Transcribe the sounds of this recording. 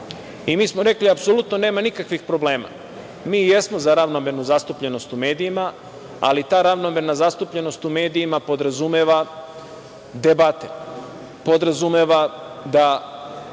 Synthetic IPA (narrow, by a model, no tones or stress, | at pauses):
imiːsmo̞ɾe̞kliapso̞lut̪noneːmanikakʋixpɾo̞ble̞ːma̰ | miːje̞smo̞zaɾaʋno̞me̞nuzast̪upʎe̞no̞st̪ume̞ːd̪ijima | a̰lit̪aːɾaʋnome̞nazast̪upʎe̞no̞st̪ume̞ːd̪iimapo̞d̪ɾazumeʋa | d̪ebat̪e | po̞d̪ɾazumeʋad̪a